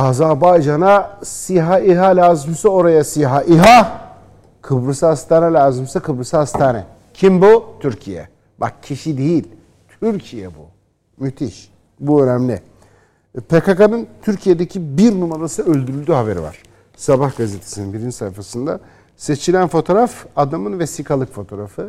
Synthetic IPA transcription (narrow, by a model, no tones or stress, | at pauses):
azabajd͡ʒanasiɦaiɦalʲaːzimsɯo̞ɾajasijɦaʔiɦa | kʰɯbɾɯsahast̪ʰaːnɛlʲaːzɯmsɯkʰɯbɾɯsahast̪ʰaːnɛ̰ | cʰimbut̪ʰyɾcʰijɛ̰ | ba̰k̚cʰiʃid̪ejilʲ | t̪ʰyɾcʰijɛbṵ | myt̪ʰiʃ | buø̞næmlʲɪ̰ | pʰekakanɯnt̪ʰyɾcʰijed̪ecʰibiɾnumaɾasɯø̞lʲd̪yɾylʲd̪yːɦabe̞ɾḭva̰ɾ̥ | sabahɡazet̪ʰesininbiɾinsajfasɯnd̪a | se̞t͡ʃʰilʲænfo̞t̪ʰo̞ɾafad̪amɯnvesikʰalˠɯkfo̞t̪ʰo̞ːɾafɯ